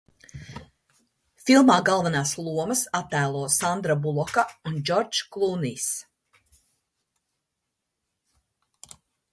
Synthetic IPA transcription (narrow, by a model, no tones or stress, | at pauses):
filˠmaːɡalˠvanaːslˠuɔməsat̪ːæːlˠuɔsand̪ɾabulˠɔkaund͡ʒɔɾd͡ʒklˠunis